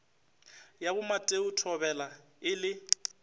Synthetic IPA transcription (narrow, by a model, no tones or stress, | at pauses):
jabʊmatʼeʊtʰɔbɛla | ɪlɪ